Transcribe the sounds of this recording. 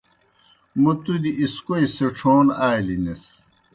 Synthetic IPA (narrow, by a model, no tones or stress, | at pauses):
mut̪ud̪iʔiskoiseʈ͡ʂʰoːnaːlines